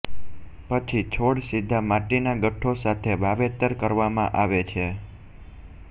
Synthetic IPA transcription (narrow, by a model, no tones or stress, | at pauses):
pət͡ʃʰit͡ʃʰoɽsid̪ʱːamaʈinaɡəʈʰːosat̪ʰebʱaʋet̪əɾkəɾʋamãʔaʋet͡ʃʰe